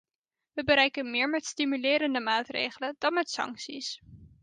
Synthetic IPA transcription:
ʋəbəɾɛjkənmɪːɹmɛtstimylɪːɾəndəmaːtrḛjχələd̥ɑnmɛtsɑ̰ŋksis

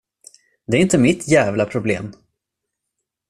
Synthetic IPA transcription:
d̪ɛæɾɪnt̪əmɪt̪ʰjæːvlapʰɾʊblḛːm

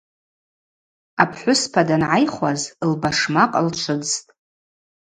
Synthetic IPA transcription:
apʰħʷʊspʰadanʕajχʷazlbaʂmaqʼalʈ͡ʂʷʰɨd͡ztʼ

